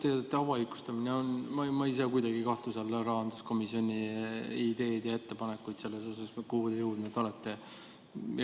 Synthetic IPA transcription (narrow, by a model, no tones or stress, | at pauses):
t̪eːd̪et̪ːˑeɑvɑlikːˑu̥st̪ɑmineonmɑmɑjis̬ekujd̪ɑɡikɑht̪uselːɾɑɦɑnd̪̥usko̞misio̞nʲiid̪e̞ːd̪jɑe̞t̪ːe̞pɑnekːujt̪se̞lːeso̞sɑskuhːd̪ejuwd̪ned̪̥o̞let̪ːe